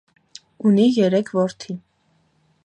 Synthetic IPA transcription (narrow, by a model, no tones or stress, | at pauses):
unijɛɾɛkʰvɔɾt̪ʰi